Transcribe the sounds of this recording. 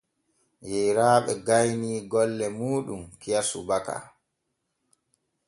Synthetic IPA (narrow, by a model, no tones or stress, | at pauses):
jɛjɾaːɓɛɡajniːɡɔlːɛmuːɗumkijasubaka̰